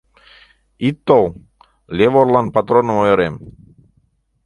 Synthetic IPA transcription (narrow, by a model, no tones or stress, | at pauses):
it̪ːow | lʲeʋoɾlˠanpat̪ɾonmojoɾem